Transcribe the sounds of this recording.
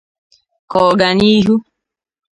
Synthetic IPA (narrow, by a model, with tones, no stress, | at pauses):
kɔ˨ɡa˨ni˦ɦu˦